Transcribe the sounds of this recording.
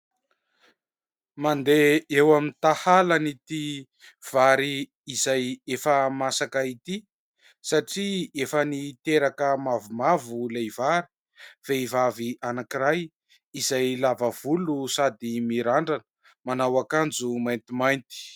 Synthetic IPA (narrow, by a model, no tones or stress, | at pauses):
mand̪eewamint̪ahalanit̪i | v̥aɾiː | zajefəmasakait̪i | saʈ͡ʂiefənit̪eɾakəmavumavulevaɾi̥ | veivaviʔanakiɾaj | izajlavəv̥ulusad̪imiɾaɳɖ͡ʐanə | manawakand͡zumajnt̪imajnt̪i̥